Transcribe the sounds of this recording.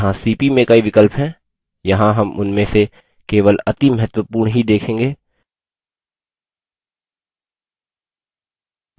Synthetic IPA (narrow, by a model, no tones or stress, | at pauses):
ɦãsiːpimẽkaiʋɪkəlpɦɛː | jɐɦãɦɐmʊnmẽse | keːʋəlɐt̪imɐɦət̪wəpuːɾɳɦid̪eːkʰẽːŋɡeː